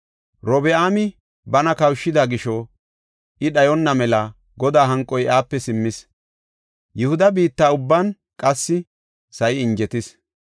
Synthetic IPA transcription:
ɾɔbɛaːmɪ | bɐnɐkɐwʃːɪd̪aːɡɪʃɔ | ʔɪɗɐjɔnːɐmɛlɐ | ɡɔd̪aːɦɐŋkʼːɔjʔaːpːɛsɪmːɪs | jɪhʊd̪ɐbiːt̪ːaːʊbːɐn | kʼɐsːɪ | sɐjɪɪnd͡ʒɛt̪ɪs

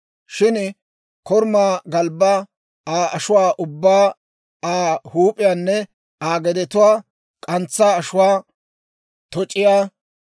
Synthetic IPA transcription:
ʃɪn | kɔɾmaːɡɐlbːa | aːʔɐʃʊwaːʔʊbːaː | aːhuːpʼɪjaːnːɛ | aːɡɛd̪ɛt̪ʊwaː | kʼɐnt͡sːaːʃʊwaː | t̪ɔt͡ʃʼːɪjaː

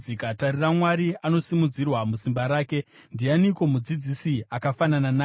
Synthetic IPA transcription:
ikatariramwaɾiano̞simud͡zirwamusimbaɾaːke̞ndianiko̞mud͡zid͡zisiakafanananaː

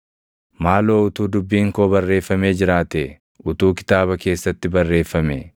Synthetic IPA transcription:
maːlo̞ːʊt̪uːd̪ʊbːiːŋkoːbɐrːe̞ːfːɐme̞ːd͡ʒɪɾaːt̪ɛ | ʊt̪uːkɪ̥t̪aːβɐke̞ːsːɐt̪ːɪbɐrːe̞ːfːɐme

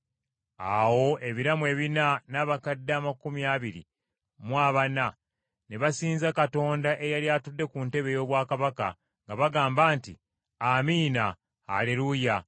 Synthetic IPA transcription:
awo̞ʔe̞βiɾamwe̞ːβinanaβakadːaːmakumjaβiɾḭ | mwaːβana | ne̞βasiːnzakato̞ːndaʔe̞jaljaːtudːe̞kunte̞βe̞jo̞ːβwaːkaβaka̰ | ŋɡaβaɡaːmbaːnti | amiːnaː | leɾuja

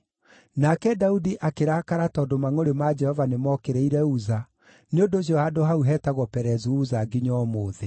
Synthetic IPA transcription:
nakɛdaudiʔakeɾaːkaɾatɔːdomaŋoɾemad͡ʒɛhɔvanemɔkeɾeiɾɛuza | neondoɕ̬ɔadoɦauɦɛːtaɣwɔpɛɾɛzuuzaɡiɲɔmoːðe

